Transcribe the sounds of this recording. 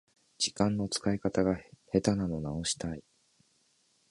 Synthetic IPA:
d͡ʑikãnːo̞t͡sɨ̥kaikat̪aɡahe̞t̪anano̞nao̞ɕi̥t̪ai

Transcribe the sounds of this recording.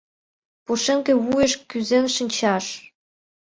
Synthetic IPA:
puʃĕŋkĕβueʃkyzenʃə̆nʲt͡ɕɑʃ

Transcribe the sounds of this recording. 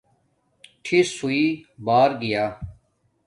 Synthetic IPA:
ʈʰisuiːbaːɾɡɪjaː

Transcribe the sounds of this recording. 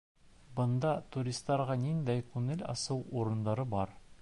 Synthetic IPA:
bɤ̆nd̪ɑt̪uɾʲist̪ːɑɾʁɑnind̪æjkʉŋɘlʲɑ̰sɤwuɾɤ̆nd̪ɑɾɤbɒɾ

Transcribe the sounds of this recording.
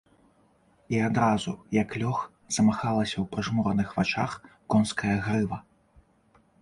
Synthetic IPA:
iad̪ɾazujɐklʲɔx | z̥ɐmaxalˠɐsʲɐwpɾɨʐmɔɾɐnɨxvat͡ʂa̰xkɔnskɐjɐɣɾɨvɐ

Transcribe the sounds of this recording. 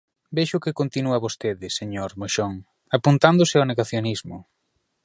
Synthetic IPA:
beʃʊkɪkont̪inuɐβost̪eðɪseɲoɾmoʃɔŋ | apunt̪and̪ʊsɪawneɣaθjonizmʊ̰

